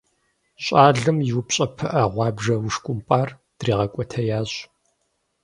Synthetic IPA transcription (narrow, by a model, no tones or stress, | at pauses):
ɕʼaːɮɨmjɪwʊpɕʼɐpʰɨʔɐʁʷɑːbʒɐwʊʂkʷʼʊmpʼaːr | d̥riːʁɐkʷʼɔtʰɐjaːʑ